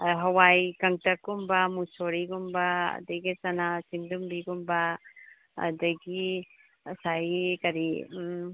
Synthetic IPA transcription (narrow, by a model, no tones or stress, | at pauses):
ɦɐwajkɐŋtɐkːumbɐmusoɾiɡumbɐɐ̰dɐɡisɐnasindumbiɡumbɐ | ɐ̰dɐɡi | sajkɐɾi